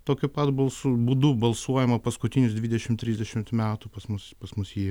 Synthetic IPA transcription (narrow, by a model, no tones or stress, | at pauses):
t̪oːkʲʊpɐt̪bɐlˠsubuːd̪uːbɐlˠsuɔjɛmɐpɐskʊt̪ʲɪnʲʊsd̪ʲʋʲiːd̪ʲɛʃʲɪmt̪ʲɾʲiːzʲd̪ʲɛʃʲɪmt̪mʲæːt̪ʊpɐsmʊspɐsmʊsji